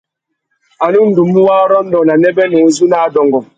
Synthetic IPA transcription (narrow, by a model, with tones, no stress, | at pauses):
a˨nu˦n̩˦du˨mu˦wa˦ɾɔ˦n̩˦dɔ˨na˨nɛ˦bɛ˦nu˨˦zu˦na˦˨dɔ˨ŋɡɔ˨